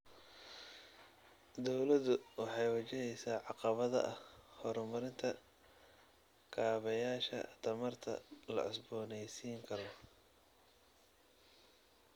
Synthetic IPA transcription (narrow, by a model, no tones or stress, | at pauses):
d̪ɔwlɐðʊwɑħɑjwɐt͡ʃɪɦɛjsaːʕɑqɑβɐðɐ̰ʔɐhhɔɾmɐɾɪnt̪ʰɐ | kʰaːβɛjaːʃɐ̰t̪ʰɐmɐrt̪ʰɐ̰lɐ̰ʕɪ̰sbɔːnɛjsiːŋkʰɐɾɔ